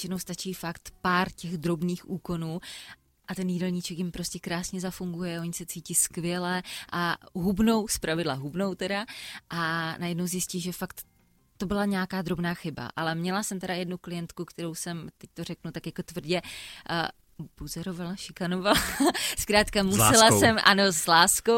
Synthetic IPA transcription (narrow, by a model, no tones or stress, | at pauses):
jt͡ʃɪnowst̪at͡ʃiːfakt̪paːɾcɛɣd̪ɾo̞bniːxʔuːko̞nuː | ʔat̪ɛnjiːdɛlɲit͡ʃɛkjɪmpɾo̞scɛkɾaːsɲɛzafuŋɡujɛʔo̞ɲɪsɛt͡siːcɪskvjɛlɛʔaɦubno̞wspɾavɪdlaɦubno̞wt̪ɛdaʔanajɛdnowzjɪsciːʒɛfakt̪ | t̪o̞bɪlaɲɛaːkaːd̪ɾo̞bnaːxɪba̰ʔa̰lɛmɲɛlasɛmt̪ɛɾajɛdnuklɪjɛnt̪kukt̪ɛɾo̞wsɛmt̪ɛc̚t̪o̞rɛknut̪akjako̞t̪vr̩ɟɛ | buzɛɾovalaʃɪkano̞valaskɾaːt̪kamusɛlasɛmanozlaːsko